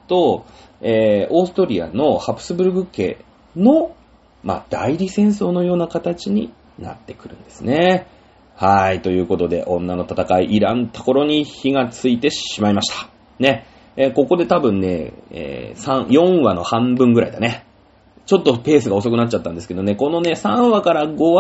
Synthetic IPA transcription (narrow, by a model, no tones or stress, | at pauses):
t̪o̞ | eːo̞ːsɨ̥t̪o̞ɾʲia̰no̞hapɯ̟̥sɨbɯ̟ɾɯ̟ɡɯ̟kːe̞̰ː | no̞ | ma̰d̪̥aiɾʲisẽ̞ɰ̃so̞ːno̞jo̞ːnakat̪at͡ɕiɲ̟ḭ | na̰t̪ːe̞kɯ̟ɾɯ̟̰̃nd̪e̞sɨne̞ | hait̪o̞jɯ̟ːko̞t̪o̞d̪e̞̰ʔõ̞nːano̞t̪at̪akaiʔiɾãnt̪ḁko̞ɾo̞ɲ̟içiɡat͡sɨit̪e̞ɕimaimaɕi̥t̪ḁ | ne̞ | ko̞ko̞d̪e̞t̪abɯ̟̃nːe̞ḛːsãɰ̃jõ̞ɰ̃βano̞hãmbɯ̟̃ŋɡɯ̟ɾa̰id̪ane̞ | t͡ɕo̞t̪ːope̞ːsɨɡao̞so̞kɯ̟nat͡ɕ̚ːat̪ːãnd̪eske̞d̪one̞ko̞no̞ne̞sãɰ̃βakaɾaɡo̞a